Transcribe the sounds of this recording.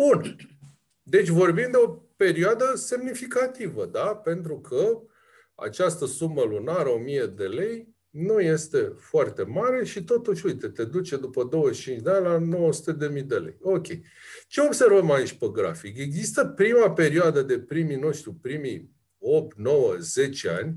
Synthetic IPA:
bun | d̪e̞t͡ʃʲvo̞rbimd̪eo̞pe̞ɾioad̪əse̞mnifikat̪ivəd̪ape̞nt̪ɾukʰə | a̰t͡ʃast̪əsuməlunaɾəomije̞d̪e̞le̞j | nuje̞st̪e̞foʊart̪e̞maɾe̞ʃit̪o̞t̪uʃʲujt̪e̞t̪e̞d̪ut͡ʃe̞d̪upəd̪o̞wəʃt͡ʃint͡ʃd̪eanʲlano̞wəsu̥t̪e̞d̪e̞mijd̪e̞le̞̰jo̞kʲe̞̰j | t͡ʃe̞obse̞rvəmait͡ʃʲpeɡɾa̰fike̞ɡzist̪əpɾimape̞ɾioad̪əd̪e̞pɾimino̞ʃt̪ɾipɾimi | o̞p̚t̪no̞wəze̞t͡ʃea̰nʲ

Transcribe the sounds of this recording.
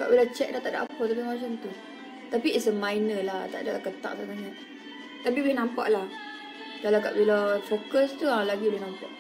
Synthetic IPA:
ka̰ʔbilat͡ʃɛk̚dat̪aʔda̰ʔapət̪apimat͡ʃant̪u | t̪apiɛsəmajnəlat̪a̰ʔdaʔlakət̪a̰ʔsanaɲaʔ | t̪apibinampa̰ʔla | dalaka̰ʔbilafokəst̪ualaɡiulenãmpaʔ

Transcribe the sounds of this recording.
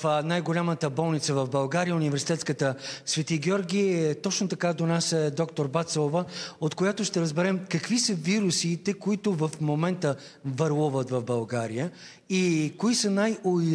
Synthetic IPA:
najɡolʲamət̪əbɔlˠnit̪səvɐvbɐlˠɡaɾijəunivɛɾsi̥t̪ɛt̪skət̪əsvɛt̪iɡʲiɔɾɡʲit̪ɔt͡ʃnot̪ɐkad̪onasɛd̪ɔkt̪oɾbat̪sˠovəot̪kojat̪oʃt̪ɛɾəzbɛɾɛmkɐkvisəviɾusit̪ɛkoit̪ʊvəfmomɛnt̪ə | vɐɾlˠuvət̪vɐvbɐlˠɡaɾijə | ikoisənajoi

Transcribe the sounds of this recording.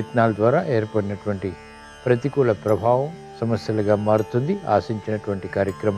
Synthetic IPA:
t̪naːlɐd̪ʋaːɾaːʔeːɾpɐɽinɐʈuʋɐɳʈi | pɾɐt̪̬ikuːlɐpɾɐbʱaːʋɐm | sɐmɐsjɐlɐɡaːmaːɽut̪und̪ia̰ːsiɲt͡ʃinɐʈuʋɐɳʈikaːɾjɐkɾɐma

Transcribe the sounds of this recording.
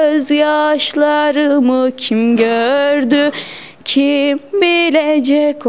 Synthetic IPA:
øzjaʃlˠaɾɯmɯcʰimɟøɾd̪y | cʰimbilʲɛd͡ʒɛcʰ

